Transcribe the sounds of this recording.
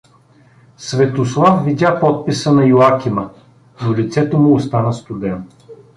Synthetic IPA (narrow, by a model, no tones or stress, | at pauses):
svɛt̪oslˠafvid̪ʲapɔt̪̚pisənɐjʊakʲimə | nolit̪sɛt̪omʊːst̪anəst̪ʊd̪ɛn